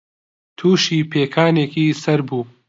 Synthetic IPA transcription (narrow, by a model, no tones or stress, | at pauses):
t̪ʰuːʃiːpʰeːkʰaːneːkiːsɐɾbuː